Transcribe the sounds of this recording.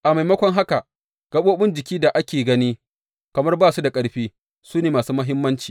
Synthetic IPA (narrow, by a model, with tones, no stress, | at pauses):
ʔa˨ma˨jmɐ˦kʷɔ˦ŋɦa˦ka˨ | ɡ̥ɐ˦ɓoː˦bɪ˦nd͡ʒɪ˨kʲiː˦da˨ʔa˦kʲeː˨ɡɐ˦niː˦ | kɐ˨mɐ˦rbaː˦˨su˦da˨kʼɐ˨˦ɽɸiː˦ | suː˦neː˨maː˨suː˦mɐ˦ɦɪ˦mːɐ˦nt͡ʃi̥ː˨